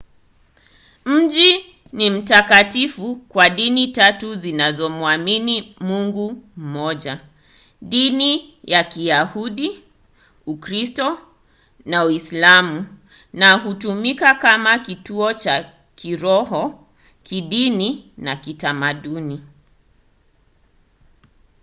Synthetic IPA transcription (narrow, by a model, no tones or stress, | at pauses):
m̩ʄi | nim̩takatifukwaɗinitatuzinazɔmuaminimuŋɡum̩mɔʄa | ɗinijakijahuɗi | ukɾistɔ | nauislamu | naɦutumikakamakituɔt͡ʃa | kiɾɔɦɔ | kiɗininakitamaɗuni